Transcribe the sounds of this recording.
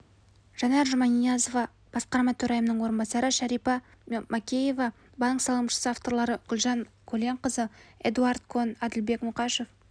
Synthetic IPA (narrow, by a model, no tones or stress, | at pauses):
ʒ̥ɑnɑɾʒʊmɑnijɑzovɑ | b̥ɑsqɑɾmɑt̪ʰɵɾɑjəmənəɴwo̞ɾənbɑsɑɾəʃæɾijpɑ | mʔakʲeje̞vɑ | bɑksɑlˠəmʃə̥səaft̪o̞ɾlˠɑɾəɡ̥ʲʊlˠʒɑŋkʲʰɵle̞ɴqəzəḛd̪uɑɾd̪kʰo̞nɑd̪ɪlbe̞kmʊqɑʃe̞f